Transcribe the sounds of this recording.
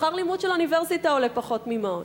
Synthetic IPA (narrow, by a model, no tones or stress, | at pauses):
χaʁlimudʃeluniveʁsitaolepaχo̞tmima